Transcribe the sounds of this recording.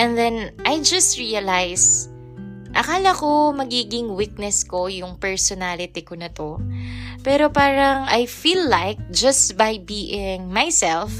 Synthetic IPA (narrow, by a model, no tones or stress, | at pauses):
ʔɛ̃nðɛnʔajd͡ʒɐst̪ɹiɐlajs | ʔɐkaːlɐko̞mɐɡiːɡɪŋwik̪̚nɛsko̞jʊŋpɛɹsɔnalɪt̪ɪkonɐt̪o̞pɛːɾo̞paːɾɐŋʔajfiːlːajk̚d͡ʒɐst̪bajbiːʔɪŋmajsɛlf